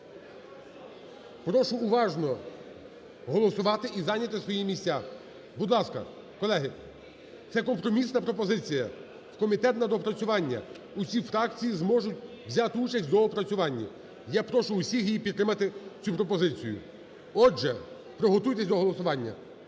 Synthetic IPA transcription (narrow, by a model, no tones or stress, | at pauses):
pɾɔʃʊːʋɑʒnɔ | ɦɔlˠɔsʊʋɑt̪ɪʔizɑnʲɐt̪ɪsʋɔjimʲisʲtʲa | bud̪lˠɑskɐ̰ | kɔlˠɛɦɪ | t̪sɛkɔmpɾɔmʲisnɐpɾɔpɔzɪt͡sʲijɐ | wkɔmʲit̪ɛt̪nɐd̪ɔpɾɐt͡sʲʊʋɑnʲːɐ̰ | usʲifɾɑkt͡sʲijizmɔʒʊtʲ | ʋzʲɑt̪ɪut͡ʃɐsʲtʲd̪ɔɔpɾɐt͡sʲʊʋɑnʲːɐ̰ | japɾɔʃʊːsʲiɦijipʲit̪ːɾɪmɐt̪ɪt͡sʲupɾɔpɔzɪt͡sʲijʊ̰ | ɔʒɛ | pɾɔɦɔt̪ujt̪ɛsʲd̪ɔɦɔlˠɔsʊʋɑnʲːɐ̰